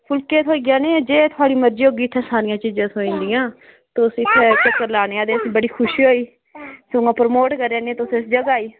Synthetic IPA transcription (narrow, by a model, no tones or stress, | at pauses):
pʰʊlkeːt̪ʰɦoːiːɡɪjãːnẽːd͡ʒeːt̪ʰʊaːɽiːməɾd͡ʒiːɦoːɡiːt̪ʰːɛ̃ːsaːɾɪjãːt͡ʃiːd͡ʒãːsoĩnd̪ijãː | t̪ːʊsɪt̪ʰːɛːt͡ʃəkːəɾlaːneːãːd̪eːsbəɽiːkʰʊʃiɦoːiː | soŋãːpɾmoːʈkəɾːẽːnẽːt̪ʊsɪsd͡ʒəɡaːiː